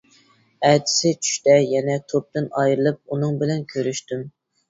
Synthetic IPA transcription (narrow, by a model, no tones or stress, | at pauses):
ɛd̪ɪ̥sɪt͡ʃʰy̥ʃt̪ɛjɛnɛt̪ʰop̚t̪ɪnɑjɾɨlˠɨp̚unɨŋbɪlɛnkʲʰøɾyʃt̪ym